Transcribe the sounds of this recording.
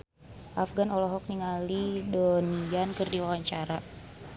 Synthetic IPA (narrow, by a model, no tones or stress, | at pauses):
ʔafɡanɔlɔɦɔk̚niŋalidɔniankɨrdiwawaɲt͡ʃaɾa